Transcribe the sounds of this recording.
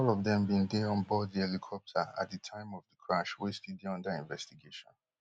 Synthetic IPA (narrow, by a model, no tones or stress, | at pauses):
ɔlɔvðɛ̃mbĩndeɔ̃nbɔdðiɛlikʰɔp̚tʰəa̰t̚ðətʰãɪ̃mɔvðəkʰɹaʃwestidiɔ̃ndaĩnvɛstiɡeʃɔ̃n